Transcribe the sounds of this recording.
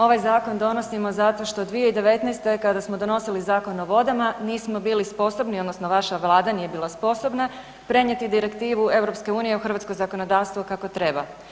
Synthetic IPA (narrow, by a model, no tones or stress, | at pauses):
o̞ʋajzaːko̞nd̪o̞no̞simo̞zat̪o̞ʃt̪o̞d̪ʋijeid̪e̞ʋe̞t̪nɛjst̪e̞kad̪asmo̞d̪o̞no̞silizaːko̞no̞ʋo̞d̪amaniːsmo̞biːlispo̞so̞bniod̪no̞sno̞ʋaʃaʋlˠaːd̪anijebiːlˠaspo̞so̞bna | pɾe̞ɲjet̪id̪iɾe̞kt̪iːʋue̞wɾo̞pske̞uːnije̞uxr̩ʋat̪skozakonod̪aːʋst̪ʋukako̞t̪ɾe̞ba